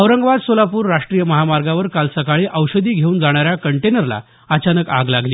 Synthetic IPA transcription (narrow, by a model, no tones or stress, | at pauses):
əʋɾəŋɡʋad̪solapuːɾːaʂʈɾijəməɦamaɾɡaʋəɾkalsəkaɭiʔəwɕəd̪iːɡʱeuːnd͡zaɽ̃aɾjakəɳʈenəɾla̰ | ət͡ɕanəka̰ɡlaɡliː